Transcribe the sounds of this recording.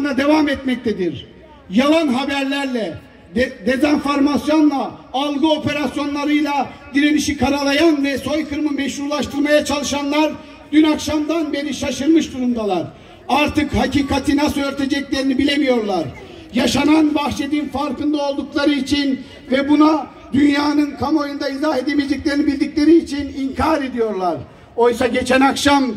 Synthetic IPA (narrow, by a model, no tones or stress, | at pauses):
nad̪e̞vamɛt̪mɛc̚t̪ʰed̪iɾ | jalˠanɦabæɾlʲæɾlʲɛ | d̪e̞zanfoɾmasjo̞nlˠaːlˠɡɯo̞pʰe̞ɾasjo̞nlˠaɾɯjlˠad̪iɾeniʃikʰaɾalˠajanvɛso̞jkʰɯɾmɯmɛʃɾuɾlˠaʃt̪ʰɯɾmajat͡ʃʰalˠɯʃanlˠaɾ | d̪̥ynakʃamd̪anbe̞ɾiʃaʃɯɾmɯʃd̪uɾumd̪alˠaɾ | aɾt̪ɯkhaciːkʰat̪ʰɯnasɯøɾt̪ʰe̞d͡ʒɛclʲe̞ɾinibilʲemijo̞ɾlˠaɾ | jaʃananbaxt͡ʃed̪infaɾkɯnd̪ao̞lˠd̪uklˠaɾɯit͡ʃʰin | vɛbuna | d̪ynjaːnɯnkʰamo̞jund̪aizaɦe̞d̪emed͡ʒiclʲeɾinibilʲd̪icʲlʲe̞ɾiːt͡ʃʰiniŋcʰaɾe̞d̪ijo̞ɾlˠaɾ | o̞jsaɟe̞t͡ʃʰænakʃam